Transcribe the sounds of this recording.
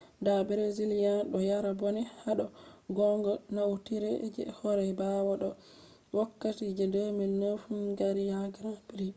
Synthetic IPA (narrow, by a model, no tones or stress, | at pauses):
dabɛɾeziljanɗɔjaɾabɔnɛhaɗɔɡɔŋɡɔnawtiɾɛd͡ʒɛ̰hɔɾɛbawɔɗɔ | wakːatid͡ʒɛdominːefunɡaɾijaɡɾapiɾi